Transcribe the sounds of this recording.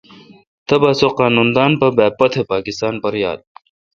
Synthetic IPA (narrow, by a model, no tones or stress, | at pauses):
t̪ɐbaːsoqaːnund̪aːnpɐbɛːpːɐt̪ʰepaːkist̪aːnpɐɾja̰ːd̪̚